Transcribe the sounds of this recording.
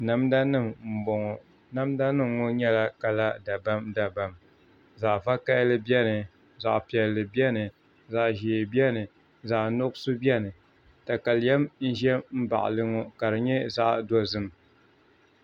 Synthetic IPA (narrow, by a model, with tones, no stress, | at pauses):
na˨mda˦nɨ˦˨mm̩˨bɔ˨ŋɔ˨ | na˦mda˦nɨ˦mŋɔ˦ɲɛ˦la˦ka˨la˦da˨ba˦mda˨ba˨m | za˨ʔva˦ka˦lɨ˦bjɛ˦nɨ˨ | za˨ʔpi˨ɛ˨lːɨ˨bi˦ɛ˦nɨ˨ | za˨ʔʒeː˨bi˦ɛ˦nɨ˨ | za˨ʔnʊ˦ksu˦bi˦ɛ˦nɨ˨ | ta˨ka˨ljɛ˦mn̩˦ʒɛ˦m̩˦ba̰˨ʔlɨ˦ŋɔ˦ka˨ɾɨ˨ɲɛ˦za˦ʔdɔ˦zɨ˦m